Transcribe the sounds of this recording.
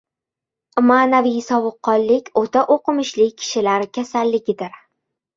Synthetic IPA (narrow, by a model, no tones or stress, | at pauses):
maːnavijsɒvɨqʰːɒnˠːɪkʲot̪ʰaʔoqʰɨmɪʃlɪkʲʰːɪ̥ʃɪlaɾɪkʲʰasalːɪɡʲɪd̪ɪɾ